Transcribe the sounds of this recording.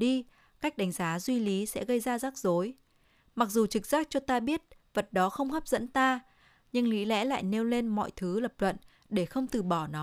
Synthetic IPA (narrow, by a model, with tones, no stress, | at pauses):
ɗi˧ | ka˦˥k̟̚ɗa˨˦jŋ̟zaː˨˦zwi˧li˨˦sɛ̰˧˥ɣə˧jzaː˧zaː˦˥k̚zo˨˦j | ma˨˩k̚zu˨˩t͡ɕɨ˨˩k̚z̥aː˦˥k̚t͡ɕɔ˧t̪aː˧ɓi˦˥ət̚və˨˩t̚ɗɔ˨˦xə˧wŋ͡mhə˦˥p̚zə̰˧˥nt̪aː˧ | ɲɨ˧ŋli˨˦lɛ̰˧˥la̰ː˧˨jne˧wle˧nmɔ̰˧˨jt̪ʰɨ˨˦lə˨˩p̚lwə̰˧˨n | ɗe˧˩xə˧wŋ͡mt̪ɨ˨˩ɓɔ˧˩nɔ˨˦